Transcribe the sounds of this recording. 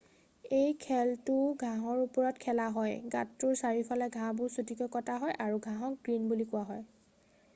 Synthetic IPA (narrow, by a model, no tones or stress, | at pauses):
ejkʰɛltʊɡʱãɦɔɹupɔɹɔtkʰɛlaɦɔjɡatːʊɹsaɹipʰalɛɡʱãbʊɹsutikɔkɔtaɦɔjʔaɹuɡʱãɦɔk̚ɡɹinbulikʊwaɦɔj